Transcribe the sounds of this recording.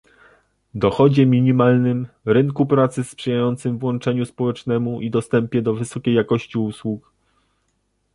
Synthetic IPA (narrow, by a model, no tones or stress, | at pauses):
d̪ɔxɔd͡ʑɛmʲiɲimalnɘm | ɾɘŋkupɾat̪sɘspʂɛjajɔnt̪sɘmvwɔnt͡ʂɛɲuspɔwɛt͡ʂnɛmuʔid̪ɔst̪ɛmpʲjɛd̪ɔvɘsɔkʲejːakɔɕt͡ɕiuswuk